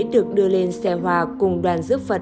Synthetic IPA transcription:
jɗɨ˨˩ək̚ɗɨ˧əle˧nsɛ˧ɦwaː˧˩kʊ˨˩ŋ͡mɗwaː˨˩nzɨ˦˥p̚fə˨˩t̚

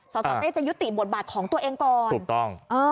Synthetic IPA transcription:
sɔː˩˦sɔː˩˧˦eː˥˩t͡ɕa˨˩ju˦˥t̪ːi˨˩bo˨˩t̪̚baː˨˩t̪̚kʰɔː˩˦ŋt̪u˧ʔeː˧ŋkɔː˨˩uː˨˩kt̪ɔ˥˩ŋʔɤː˧

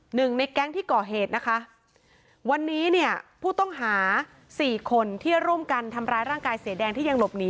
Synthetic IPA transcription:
nɯ˨˩ŋna˧jkɛ˦˥ŋt̪ʰiː˥˩kɔː˨˩ɦeː˨˩t̪̚na˦˥kʰa˦˥ | wa˧nːiː˦˥ni˥˩əpʰuː˥˩t̪ɔ˥˩ŋɦaː˩˦ | siː˨˩kʰo˧nt̪ʰi˥˩ɾu˥˩əmka˧nt̪ʰa˧mɾaː˧jɾaː˥˩ŋkaː˧jsi˨˩˦dɛː˧ŋt̪ʰiː˥˩ja˧ŋlo˨˩p̚niː˦˥

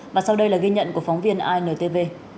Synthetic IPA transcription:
vaː˨˩sa˧wɗə˧jlaː˨˩ɣi˧ɲə̰˧˨nku˧˩əkfɔ˨˦wŋ͡mvi˧ənʔaː˧jnəː˨˩t̪e˧ve˧

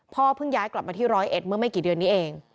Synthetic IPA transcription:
pʰɔː˥˩pʰɯ˥˩ŋjaː˦˥jkla˨˩p̚maː˧t̪ʰiː˥˩ɾɔː˦˥jʔe˨˩t̪̚mɯ˥˩əma˥˩jkiː˨˩dɯ˧ənːiː˦˥ʔeː˧ŋ

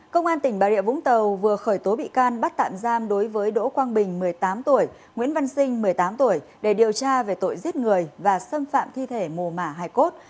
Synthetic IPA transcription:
kə˧wŋ͡mʔaː˧nt̪ï˧˩ŋ̟ɓaː˨˩ɾḭ˧˨əvʊ̰˧˥ŋ͡mt̪ə˨˩wvɨ˨˩əxəː˧˩jt̪o˨˦ɓḭ˧˨kaː˧nɓa˦˥t̚t̪a̰ː˧˨mzaː˧mɗo˨˦jvəː˨˦jɗo̰˧˥kwaː˧nɓï˨˩ŋ̟mɨ˨˩əjt̪aː˨˦mt̪u˧˩əj | ŋwḭ˧˥ənva˧nsï˧ŋ̟mɨ˨˩əjt̪aː˨˦mt̪u˧˩əjɗe˧˩ɗi˨˩əwt͡ɕaː˧ve˨˩t̪o̰˧˨jzi˦˥t̚ŋɨ˨˩əjvaː˨˩sə˧mfa̰ː˧˨mt̪ʰi˧t̪ʰe˧˩mu˨˩maː˧˩ɦaː˧˩jko˦˥t̚

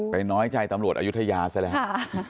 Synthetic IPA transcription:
pa˧jnɔː˦˥jt͡ɕa˧jt̪a˧mɾu˨˩t̪̚ʔaː˧u˦˥t̪ʰa˧jaː˧sa˦˥jlɛ˨˦˥

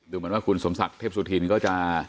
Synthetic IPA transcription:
d̪uː˧mɯ˦əwaː˥˩kʰu˧nso˩˦msa˨˩k̚t̪ʰeː˥˩p̚suː˧t̪ʰiː˧nkɔː˥˩t͡ɕa˨˩

